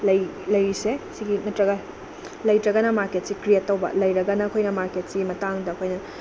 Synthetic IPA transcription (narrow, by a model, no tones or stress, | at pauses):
lɐjlɐjɾisesiɡimɐtɾɐɡɐ | lɐjtɾɐɡɐnɐmaɾket̚sikɾijetːɐwbɐ̰lɐjɾɐɡɐnɐːkʰojnɐmaɾket̚simɐtaŋdɐːkʰojnɐ